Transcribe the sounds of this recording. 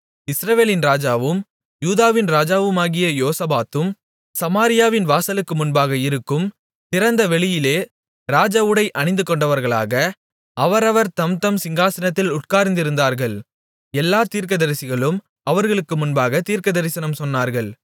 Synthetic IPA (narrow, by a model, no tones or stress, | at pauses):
ɪsɾɐʋeːlɪnɾaːd͡ʒaːʋɯm | juːðaːʋɪnɾaːd͡ʒaːʋɯmaːɣɪjɐjoːsɐbaːt̪ɯm | sɐmaːɾɪjaːʋɪnʋaːsɐlɯkːɯmʊnbaːɣɐɪɾɯkːɯm | t̪ɪɾɐnd̪ɐʋɛɭɪjɪleː | ɾaːd͡ʒɐʋɯɽɐɪʔɐɳɪnd̪ɯkɔɳɖɐʋɐɾɣɐɭa̰ːɣɐ | ɐʋɐɾɐʋɐɾt̪ɐmt̪ɐmsɪŋɡaːsɐnɐt̪ːɪlʊʈ̚kaːɾɪnd̪ɪɾɯnd̪aːɾɣɐɭ | ɛlːaːt̪iːɾkɐðɐɾɪsɪɣɐɭɯm | ɐʋɐɾɣɐɭɯkːɯmʊnbaːɣɐt̪iːɾkɐðɐɾɪsɐnɐmsɔnːaːɾɣɐɭ